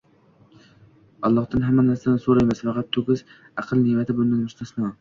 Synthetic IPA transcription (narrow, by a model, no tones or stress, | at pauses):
ɒlˠːɒχd̪ɪnɦamːanaɾsaɪsoɾajmɪsfɑqɑt̪ʰːoɡʲɪz | ɑqʰɨlˠnemat̪ʰɪbʊnd̪ɪnmʊʃt̪ʰasma